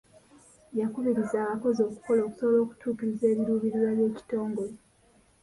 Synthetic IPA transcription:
jakuβiɾizaːβako̞zio̞ku̥ko̞lo̞ːku̥solo̞ːku̥tʰuːkiɾize̞ːβiɾuːβiɾiɾwaβje̞ːci̥to̞ːŋɡo̞le

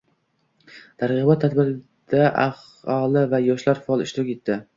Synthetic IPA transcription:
t̪ʰaɾʁɨbɒt̪ʰːad̪bɪɾɪ | d̪̥aʔa̰h | ɒlˠɪvajɒʃlaɾfɒlˠɪʃt̪ʊɾɪkʲet̪ʰːɪ

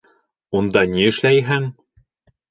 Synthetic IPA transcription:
und̪ɑniɘ̆ʃlæjɦæŋ

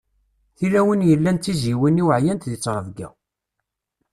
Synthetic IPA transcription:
θilæwənjəlːænt̪ːiziwəniwəʕjænt̪ðit͡sːɾˤəvɡæ̰

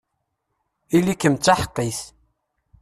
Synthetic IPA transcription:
ilikːəmt͡sːaħqːiθ

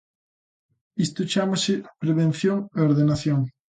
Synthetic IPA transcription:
ist̪ʊt͡ʃamasɪpɾeβẽn̟θjoŋeoɾðenaθjoŋ

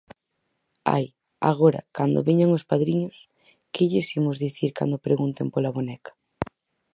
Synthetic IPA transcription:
a̰j | a̰ɣoɾɐ̰kand̪o̰βeɲaŋospaðɾiɲʊs | kɪʎɪsimʊzðiθiɾka̰nd̪opɾeɣunt̪empolaβonɛkḁ

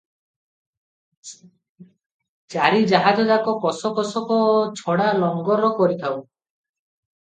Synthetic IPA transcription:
t͡ʃaɾid͡ʒaɦad͡ʒɔd͡ʒakɔkɔsɔkɔsɔkɔt͡ʃʰɔɽalɔŋɡɔɾɔkɔɾit̪ʰaw

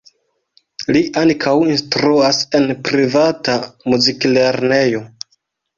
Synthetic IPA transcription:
liʔaŋkʰawinstɾuase̞npɾivatamuzikle̞ɾne̞jo̞

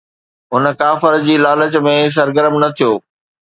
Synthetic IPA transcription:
ɦʊnəkaːfəɾd͡ʑiːlaːlət͡ɕmẽs̬ɐɾɡəɾəmnɐt̪ʰijoː

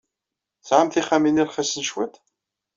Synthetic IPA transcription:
sʕamθiχæminiɾχæsənʃwæt̪

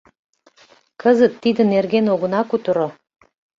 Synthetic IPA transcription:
kəzət̪ːid̪ənerɣenoɣə̆nɑkut̪əɾo

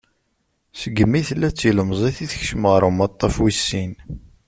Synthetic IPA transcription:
səɡəmːiθəlːæt͡sːiləmzˤiθiθçʃəməʁɾəmɑt̪ˤːɑfwisːin

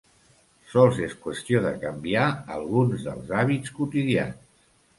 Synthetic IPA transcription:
sɔlˠzeskwəst̪ioðəkəmbiaə̰lˠɣunzðə̰lˠzaβit͡skut̪iðia̰ns

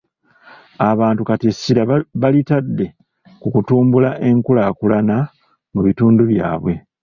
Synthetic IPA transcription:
aβaːntukatesiɾaβalitadːe̞ | kukutuːmbulaʔe̞ŋkulakulana | muβituːnduβja̰ːβwe̞

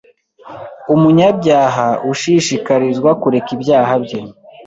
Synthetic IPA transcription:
umuɲabɟaːɦaʔuʃiːʃikaɾizɡwakuɾe̞kibjaːɦabɟe̞

